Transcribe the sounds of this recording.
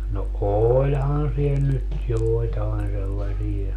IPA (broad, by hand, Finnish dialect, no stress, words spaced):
no oːlʲhɑn siel nyt joˑitɑen selːɑsie